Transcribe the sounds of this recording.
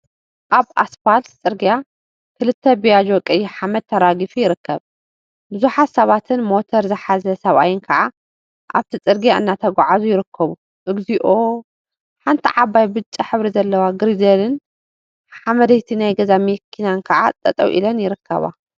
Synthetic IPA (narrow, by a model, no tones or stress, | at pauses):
ʔaβa̰sfalt̪t͡sʼɨɾɡija | kʰɨlɨt̪ʰːɐbijad͡ʒo̞kʼɐjːiħamɐd̪̚t̪ʰːɐɾaɡifujɪɾɨkːɐβ | bɨzuħat̪sɐβat̪ʰɨnmo̞t̪ʰɐɾzɨħazɐsɐβa̰jɪnkʰɐʕa | ʔaβt̪ʰit͡sʼɨɾɡijaɨ̰nːat̪ʰɐɡʷaʕazujɪɾɨkʰːɐβu | ʔɨɡziʔo̞ | ħant̪ʰiʕaβajbɨt͡ʃʼːaħɨβɾizɐlːɐwaɡɨɾid̪ɐlɨn | ħamɐd̪ɐjt̪ʰinajɡɐzamikʰːinankʰɐʕa̰t̪ʼɐ̰t̪ʼɐ̰wʔḭlɐnjɪɾɨkʰːɐ̰βa̰